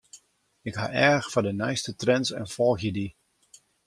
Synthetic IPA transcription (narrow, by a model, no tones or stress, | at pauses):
ɪkɦa̰ʔɛxfadənɛjstətrɛnsɛ̰nfɔlˠxjədi